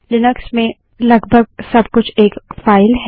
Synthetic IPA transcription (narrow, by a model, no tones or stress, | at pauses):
lɪnʊksmẽ | lɐɡbʱəɡ̚sɐb̚kʊt͡ʃʰeːkfaːɪlɦ